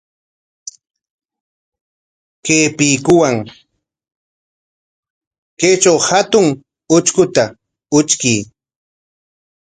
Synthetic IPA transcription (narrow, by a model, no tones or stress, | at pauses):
keːpijkʊwaŋ | ket͡ʃawhat̪ʊŋ | ʊt͡ʃkʊt̪a | ʊt͡ʃkij